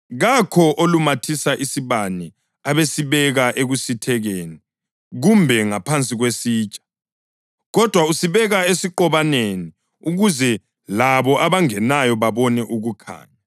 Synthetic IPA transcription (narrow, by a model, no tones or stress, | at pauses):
ɣakʰɔʔolumatʰisaʔisiβanɛ | aβesiβɛɣaʔeɣusitʰɛɣeːni | ɣumbʱɛŋapʰant͡sʼiɣwesiːt͡ʃʼḁ | ɣɔd̥ʱwausiβɛɣaesiǃɔβaneni | uɣuzɛ | laβɔʔaβaŋɛnajɔβaβɔnɛʔuɣukʰa̰ːɲa